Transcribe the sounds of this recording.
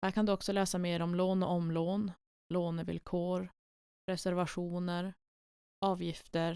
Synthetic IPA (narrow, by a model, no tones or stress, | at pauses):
hæːɾkʰand̪ɵɔksɔlɛːsameːɾɔmloːnɔ̰ʔɔmloːn | loːnəvɪ̰lkʰoːɾ | ɾɛsæɾvaɧuːnəɾ | ɑːvjɪft̪əɾ